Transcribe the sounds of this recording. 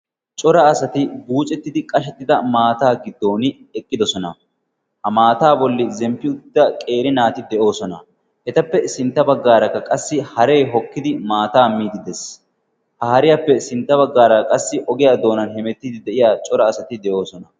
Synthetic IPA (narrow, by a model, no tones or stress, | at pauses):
t͡ʃʼɔɾɐːsɐt̪ɪɡuːt͡ʃʼɛt̪ːɪd̪ɪkʼɐʃɛt̪ːɪd̪ɐmaːt̪aːɡɪd̪ːo̞ːnɪ | ɛkʼːɪd̪ɔsɔnɐ | hɐmaːt̪aːbɔlːɪzɛmpːɪʊd̪d̪ːɐkʼe̞ːɾɪnaːt̪ɪd̪ɛʔo̞ːsɔnɐ | ʔɛt̪ɐpːɛsɪnt̪ːɐbɐɡːaːɾɐkːɐkʼɐsːɪhɐɾe̞ːɦɔkːɪd̪ɪmaːt̪aːmːiːd̪ɪd̪ɛs | hɐhɐɾɪjapːɛsɪnt̪ːɐbɐɡːaːɾɐkʼɐsːɪʔɔɡɪjaːd̪o̞ːnɐnɦɛmɛt̪ːiːd̪ɪd̪ɛʔɪjaːt͡ʃʼɔɾɐːsɐt̪ɪd̪ɛʔo̞ːsɔnɐ